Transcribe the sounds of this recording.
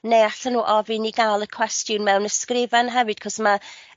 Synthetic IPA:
nejaɬanuːʔɔviniɡaːlˠəkʰw̥ɛstjʊnmɛwnəskrɪvanɦɛvɨd̥kʰɔsma

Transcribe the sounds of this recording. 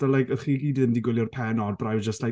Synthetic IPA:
d̥əlajkəχiːɡiːdɨndiɡwɪljɔrpʰɛnɔdbrawd͡ʒəstla

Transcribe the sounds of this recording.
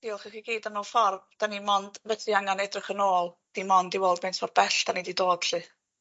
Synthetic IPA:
d̥iɔlˠχiχiɡiːdənoːlˠfɔrb̚d̥animɔnd̥vɛtʰiaŋanɛdrɪχənoːlˠd̥imɔndiwoːlˠdmentʰfɔr̚bɛɬd̥anididoːd̥ɬɨ

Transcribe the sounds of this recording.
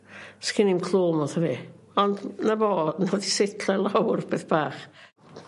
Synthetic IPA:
skʰɪnimkʰlˠoːmɔθəvi | ɔndnavoːnɔdisɪtʰlɛlˠawrb̥eːθb̥aːχ

